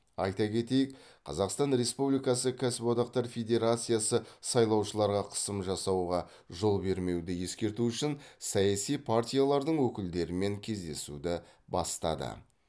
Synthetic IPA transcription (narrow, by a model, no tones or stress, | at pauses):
ɑjt̪ɑkʲe̞t̪e̞jɪk | qʰɑ̰zɑqst̪ɑnɾe̞spublijkɑsəkʲʰæsɪpod̪ɑq̚t̪ɑɾfʲe̞d̪ʲe̞ɾat̪sɨjasəsɑjlˠɑwʃəlˠɑɾʁɑqʰə̥səmʒɑsɑwʁɑ | ʒo̞lˠbe̞ɾme̞wd̪ɪje̞skʲe̞ɾt̪uʏʃɪnsɑjasijpʰart̪ʲijalˠɑɾd̪əɴwɵkʲɪld̪e̞ɾɪme̞ŋkʲʰe̞zd̪e̞sṵd̪ɪ | bɑ̰st̪ɑ̰d̪ə̰